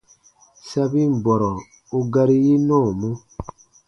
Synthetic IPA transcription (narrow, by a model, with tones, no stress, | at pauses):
sa˦bi˦m̩˨bɔ˨ɾɔ˨ | u˦ɡa˦ɾi˦ji˦nɔ˦˨mo˦